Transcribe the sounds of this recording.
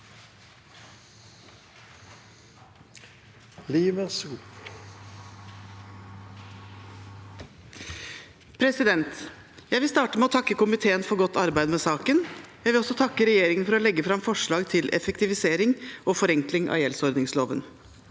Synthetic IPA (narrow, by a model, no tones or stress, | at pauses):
liːʋəsuː | pʰɾɛsɪd̪ɛnt̪ | jæɪʋɪlst̪ɑːʈəmɛoːt̪ʰɑkːəkʊmɪt̪ʰeːənfɔɾɡɔt̪ːɑɾbæɪd̪mɛːsɑːkənjæɪʋɪlɔsːɔt̪ʰɑkːəɾɛjeːɾɪŋənfɔɾɔːlɛɡːəfɾɑmfɔʂɭɑːɡt̪ʰɪlʔɛ̰fəkt̪ɪʋɪseːɾɪŋʔoːfɔɾɛŋklɪŋʔɑ̰ːjɛlsɔɾd̪nɪŋsloːʋə̰n